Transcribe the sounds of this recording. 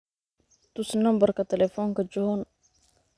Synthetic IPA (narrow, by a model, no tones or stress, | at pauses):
t̪usənambərkat̪ɛlɛfɔnkəd͡ʒɔɦɔn